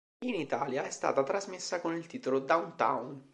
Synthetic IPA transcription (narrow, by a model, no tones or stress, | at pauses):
init̪aːljaɛst̪a̰ːt̪at̪ɾazmesːakonilt̪iːt̪olod̪awnt̪a̰wn